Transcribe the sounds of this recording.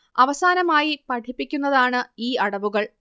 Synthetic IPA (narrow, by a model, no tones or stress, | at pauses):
ɐʋɐsaːnɐmaːjipɐʈʰipːikʲːunːɐðaːɳɨiːɐɽɐʋuɣɐɭ